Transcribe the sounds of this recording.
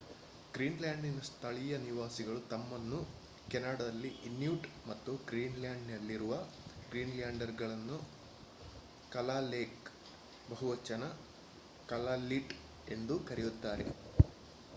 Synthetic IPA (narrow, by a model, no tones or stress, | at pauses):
ɡɾiːnlaːɳɖinɐst̪ʰɐɭijɐniʋaːsiɡɐɭut̪ɐmːɐnːu | kɛnaːɽɐd̪ɐlːiʔinjuːʈmɐt̪ːuɡɾiːnlaːɳɖnɐlːiɾuʋɐ | ɡɾiːnlaːɳɖɐɾɡɐɭɐnːu | kɐlaːleːk | bɐɦuʋɐt͡ʃːɐnɐ | kɐlaːliʈ | e̞nd̪ukɐɾijut̪ːaːɾe̞̰